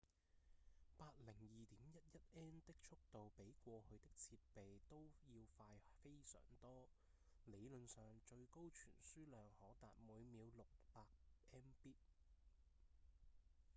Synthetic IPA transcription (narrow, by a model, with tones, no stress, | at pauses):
paː˧t̚lɪ˨˩ŋjiː˨t̪iː˨˥mjɐ˥t̚jɐ˥t̚ɛː˥nt̪ɪ˥k̚t͡ʃʰʊ˥k̚t̪o˨wpe˨˥jkʷɔː˧hɵ˨˧ɥt̪ɪ˥k̚t͡sʰiː˧t̚pe˨jt̪o˥wjiː˧wfaː˧jfe˥jsœ̰ː˨˩ŋt̪ɔː˥ | le˨˧jlɵ˨nsœː˨ŋt͡ʃɵ˧ɥko˥wt͡ʃʰy̰ː˨˩nsyː˥lœː˨˧ŋhɔː˨˥t̪a̰ː˨t̚muː˨˧jmiː˨˧wlʊ˨k̚paː˧k̚ʔɛː˥npiː˥t̚